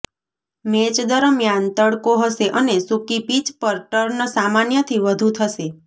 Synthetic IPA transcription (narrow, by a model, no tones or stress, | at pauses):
met͡ʃd̪əɾəmjant̪əɽkoɦəʃeʔənesukipit͡ʃpəɾʈəɾnəsamanjət̪ʰiʋəd̪ʱut̪ʰəʃe